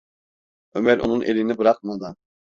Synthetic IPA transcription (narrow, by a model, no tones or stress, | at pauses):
ømæɾʔo̰nunʔelinibɯɾaq̚mad̪ɯ